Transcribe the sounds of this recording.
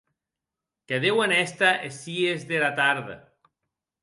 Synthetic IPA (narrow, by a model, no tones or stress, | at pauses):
keðewenɛst̪aʔesiezðelat̪aɾðḛ